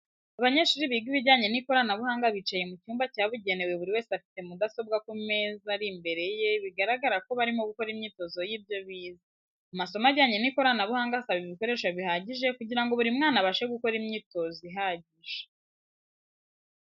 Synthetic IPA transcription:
aβaɲe̞ʃuɾiβiɡiβiɟaːɲe̞niko̞ɾanaβuhaːŋɡaβit͡ʃaje̞mucuːmbacaːβuɟe̞ne̞we̞βuɾiwe̞ːseafi̥te̞mudaso̞b̚ɡakume̞ːzaɾimbe̞ɾe̞je̞βiɡaɾaɡaɾako̞βaɾimoɡuko̞ɾimɲiːto̞zo̞jiːbjo̞βiːza | umaso̞maɟaːɲe̞niko̞ɾanaβuhaːŋɡasaβiβiko̞ɾe̞ːʃaβihaɟiʒe̞kuɟiɾaŋɡo̞βuɾimŋaːnaβaʃeɡuko̞ɾimɲiːto̞ziɦaɟiʒe̥

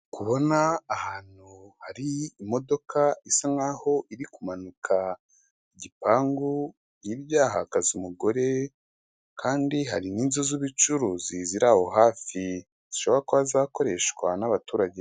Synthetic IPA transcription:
kuβo̞naːhaːn̥huhaɾiːmo̞do̞kaisaŋaːho̞ʔiɾikumanukʰa | iɟipaːŋɡu | iɾjaːɦakazumuɡo̞ɾe̞ | kʰaːndiɦaɾiniːnzoziβit͡ʃuɾuziziɾaho̞ɦaːfi | z̥iʃo̞βo̞ɾakoazaːko̞ɾe̞ʃkwanaβatuːɾaɟe̞

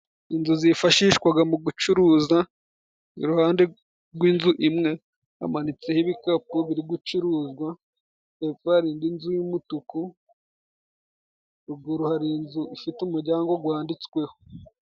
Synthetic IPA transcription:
inzuzifaʃiːʃkwaɡamuɡut͡ʃuɾuːza | ḭɾuhaːnde̞ | ɾɡwiːnzuʔimŋe̞ | a̰manit͡sehiβikapuβiɾiɡut͡ʃuɾuːzɡwa | efaɾiːndinzujimutuku | ɾuɡoɾuhaɾinzuʔifitumuɾɟaːŋɡo̞ɡwaːndit͡swe̞ho

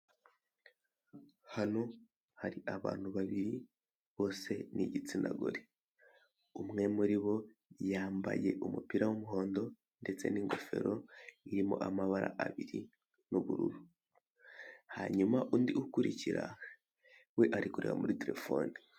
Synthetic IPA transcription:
hano̞ | haɾiʔaβaːn̥huβaβiɾi | βo̞ːse̞niɟit͡sinda̰ɡo̰ɾe | umŋe̞muɾiβo̞ | jaːmba̰je̞ʔumupiɾawumuɦo̞ːndo̞ | nde̞t͡se̞̰niːŋɡo̞fe̞̰ɾo̞iɾimo̰ʔamaβaɾa̰ʔaβiɾi | nuβuɾṵɾu | haɲumaʔundiʔukuɾiciɾa | weʔaɾikuɾewamuɾite̞ɾe̞fo̞ːni

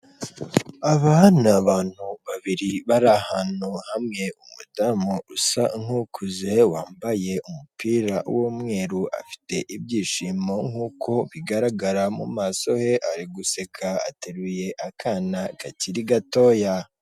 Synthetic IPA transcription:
aβanaβaːn̥huβaβiɾiβaɾahanohamŋe̞umudamousaŋhukʰuze̞waːmbaje̞umupʰiːɾa̰womŋe̞ːɾuʔa̰fi̥te̞ʔibɟiːʃimo̞ŋhuːkʰo̞βiɡaɾaɡaɾamṵmaːso̞he̞ʔaɾiɡuse̞kʰaa̰teɾuje̞ʔakʰaːnaɡaciɾiɡato̞ːja

